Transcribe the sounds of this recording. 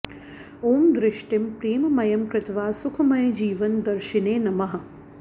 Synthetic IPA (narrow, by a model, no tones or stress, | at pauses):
oːmd̪ɾɪʃʈimpɾiːmɐmɐjɐmkɾɪt̪ʋaːsukʰɐmɐjd͡ʒiːʋɐnd̪ɐɾʃineːnɐmɐɦɐ̆